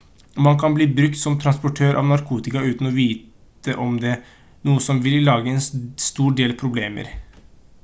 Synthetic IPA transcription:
mɑnkʰɑnbliːbɾʉk̚t̪sɔmt̪ʰɾɑnspɔʈʰøːɾʔɑ̰ʋnɑɾkʰuːt̪ɪkɑʉːt̪n̩ɔʋiːt̪ | əʔɔmd̪ɛ | nuːəsɔmʋɪllɑːɡəɛnsst̪uːɖeːlpʰɾʊbleːmə̰ɾ

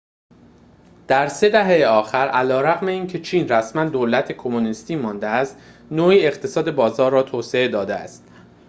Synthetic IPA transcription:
d̪̥æɾse̞d̪æɦejeɒːxæɾʔælɒːɾæɣme̞iːncʰe̞t͡ʃʰiːnræsmænd̪oːlæt̪ʰe̞kʰo̞monist̪iːmɒːnd̪eæst̪ | noːiːe̞χt̪ʰe̞sɒːd̪e̞bɒːzɒːɾːɒːt̪ʰoːse̞e̞d̪ɒːd̪eæ̰st̪

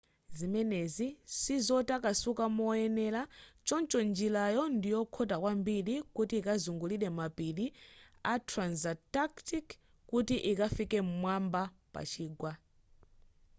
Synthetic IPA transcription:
zimɛnɛzisizɔtakasukamɔɛnɛlat͡ʃɔnt͡ʃɔnd͡ʒilajɔndijɔkʰɔtakwambiɗikutiːkazuŋɡuliɗɛmapiɗiatʰɾanzataktik | kutiʔikafikɛmwamba | pa̰t͡ʃʰiːɡwa

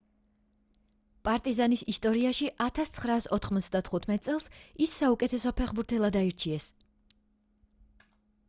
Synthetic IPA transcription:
pʼaɾt̪ʼizanisist̪ʼɔɾiaʃiʔat̪ʰast̪sʰχɾaːsɔt̪ʰχmɔt̪sd̪at̪ʰχut̪ʰmɛt̪ʼsʼɛlˠsisːaukʼɛt̪ʰɛsɔpʰɛχbuɾt̪ʰɛlˠad̪aiɾt͡ʃʰiɛs

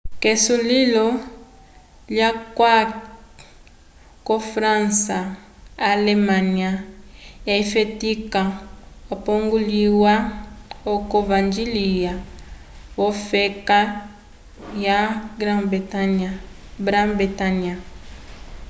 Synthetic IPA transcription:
kesulilo | ljakwa | kofɾãnsaalemaniajaifetikaopoŋɡuliwaokovand͡ʒilija | wofeka | jaɡɾab | bɾabitania

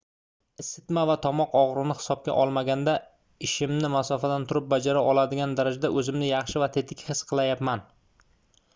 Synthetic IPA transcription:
ɪst̪ɪt̪mavat̪ʰɒmɒqɒʁɾɪnɪhɪ̥sɒb̚kʲa̰ʔɒlˠmaɡʲand̪a | ɪʃɪmnɪmasɒfad̪ant̪ʰʊɾɪp̚bad͡ʒaɾaʔɒlˠad̪ɪɡʲand̪aɾad͡ʒad̪aʔɵzɪmnɪjɑχʃɪvat̪ʰe̞t̪ʰɪkʲhɨsqʰɨlˠajapman

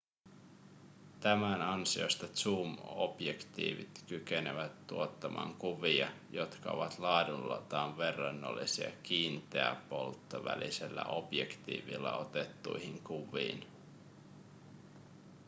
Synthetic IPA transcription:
t̪æmænɑnsio̞̰st̪ɑt̪suːmob̥jekt̪ḭːʋḭt̪kykeneʋæt̪ːuot̪ːɑmʔɑ̰ːŋkuʋiɑjo̞t̪kɑo̰ʋɑt̪lɑːdunlːɑt̪ɑːnʋe̞rːɑnːo̰lːisiɑk̟iːnt̪eæpo̞lˠt̪ːoʋæ̰liselːæʔo̞b̥jekt̪ḭːʋilːɑo̞t̪et̪ːujhiŋkuʋḭːn

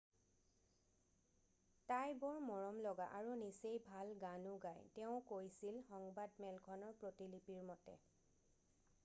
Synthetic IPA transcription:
tajbɔɹmɔɹɔmlɔɡa̰ʔaɹunisejbʱalɡanuɡajtɛʊ̃kojsilxɔŋbadmɛlkʰɔnɔɹpɹotilipiɹmɔtɛ̰

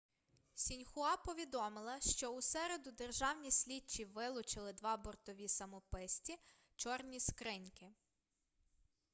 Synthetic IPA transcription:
sʲinʲxʊɑpɔʋʲid̪ɔmɪlˠɐʃt͡ʃɔusɛɾed̪ʊd̪erʒɑwnʲisʲlʲit͡ʃːiʋɪlˠʊt͡ʃɪlˠɪd̪ʋɑbɔrt̪ɔʋʲisɐmɔpɪsʲtʲi | t͡ʃɔrnʲiskɾɪnʲkɪ

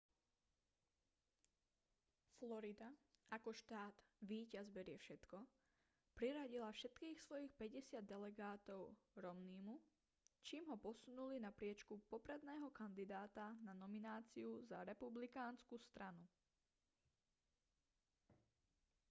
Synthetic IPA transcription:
flɔɾid̪aakɔʃt̪aːd̪̥ʋiːcazbɛɾɪɛfʃɛt̪kɔ | pɾiɾaɟilafʃɛt̪kiːxsʋɔjixpɛɟɛsɪad̪̚ːɛlɛɡaːt̪ɔʊɾɔmniːmu | t͡ʃiːmɦɔpɔsunulinapɾɪɛt͡ʃkupɔpɾɛd̪nɛːɦɔkand̪id̪aːt̪ananɔminaːt͡siuza̰ɾɛpublikaːnskust̪ɾanu

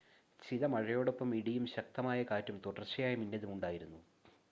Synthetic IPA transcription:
t͡ɕiðɐmɐɻɐjo̞ːɽo̞pːɐmiɽijumɕɐk̚t̪ɐmaːjɐkaːtːumt̪uɽɐrt͡ɕːɐjaːjɐminːɐðumuɳɖaːjiɾunːu

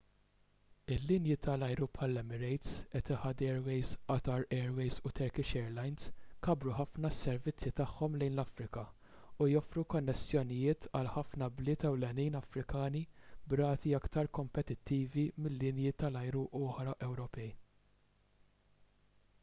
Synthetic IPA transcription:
ɪlːɪnjɪt̪ɐlɐjɾupħɐlːɛmɪɾɛjt̪sɛt̪ɪħɐd̪ɛːɾwɛjzʔɐt̪ɐɾɛːɾwɛjzut̪ʰɛɾkɪʃɛːɾlɐjnskɐbɾuħɐfnɐsːɛɾvɪt͡sːjit̪ɐħːɔmlɛjnlɐfɾɪkɐ | ujɔfɾukɔnːɛsːjɔnɪjɪːt̪ɐlħɐfnɐblɪːt̪ɛwlɛniːnɐfɾɪkɐːnibɾɐːt̪iɐkt̪ɐɾkɔmpɛt̪ɪt̪ːiːvimɪlːɪnjɪt̪ɐlɐjɾuʔɔːħɾɐʔɛwɾɔpɛj

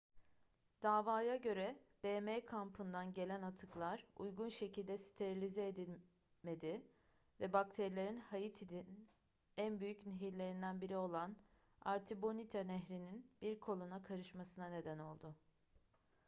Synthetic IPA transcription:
d̪̥aːvaːjaɟø̞ɾɛb̥eːmekʰampʰɯnd̪anɟe̞lʲænat̪ʰɯklˠaɾujɡunʃe̞cʰilʲd̪ɛsi̥t̪ʰeɾilʲizɛed̪ilʲ | me̞d̪ɪ | vɛbak̚t̪ʰeɾilʲe̞ɾinhajit̪ʰid̪in | ænbyjycniɦiɾlʲe̞ɾind̪ænbiɾio̞lˠan | a̰ɾt̪ʰibo̞nit̪ʰanɛɦɾininb̥iɾkʰo̞lˠunakʰaɾɯʃmasɯnane̞d̪æno̞lˠd̪ʊ

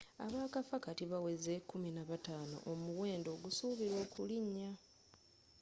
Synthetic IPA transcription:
a̰βaːkafakatiβawe̞zekːuminaβataːno̞̰ʔomuwe̞ːndo̞ːɡusuːβiɾo̞ːkʰuliɲːa

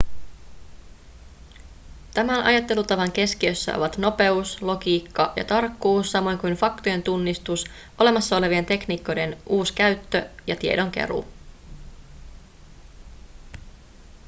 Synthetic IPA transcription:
t̪æmænʔɑ̰jɑt̪ːe̞lut̪ɑʋɑŋk̟e̞skiø̞sːæ̰ʔo̞ʋɑt̪no̞pe̞uslo̞ɡiːkːɑjɑ̰t̪ɑrkːuːsːɑmo̞jŋkujnfɑkt̪oje̞nt̪unːist̪us | ʔo̞le̞mɑsːɑo̞le̞ʋie̞nt̪e̞kniːkːo̞jde̞nʔuːskæɥt̪ːøjɑt̪iedo̞ŋk̟e̞̰ɾṵ

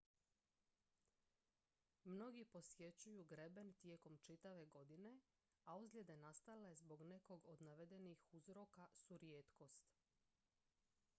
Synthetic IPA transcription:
mno̞ɡipo̞sje̞t͡ɕujuɡɾebent̪jeːko̞mt͡ʃit̪aʋe̞ɡo̞d̪ine̞ | auzlʲed̪e̞nast̪aleezbo̞ɡne̞ko̞ɡo̞d̪naʋed̪e̞nixuzɾo̞kasuɾjeːt̪ko̞st̪

